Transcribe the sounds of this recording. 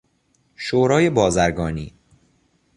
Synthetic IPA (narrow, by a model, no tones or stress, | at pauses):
ʃoːɾɒːje̞bɒːzæɾɡɒːniː